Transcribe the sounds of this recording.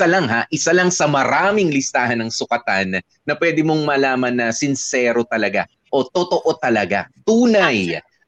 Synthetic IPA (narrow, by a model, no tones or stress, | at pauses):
alɐŋɦaʔɪsalɐŋsɐmɐɾaːmɪŋlɪst̪aːhɐnːɐŋsʊkɐt̪anː | ɐpwɛːd̪ɪmo̞ŋmɐlaːmɐnːɐsɪnsɛːɾo̞t̪ɐlɐɡa | ʔo̞t̪ot̪o̞ʔo̞t̪ɐlɐɡa̰t̪uːnɐj